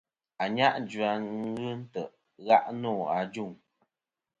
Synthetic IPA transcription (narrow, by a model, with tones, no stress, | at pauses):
a˨ɲa˦ʔd͡ʒɥa˨ŋ̩˦ɣɨ˦n̩˦tə˨ʔ | ɣa˦ʔnɔː˦˨a˨d͡ʒu˦˨ŋ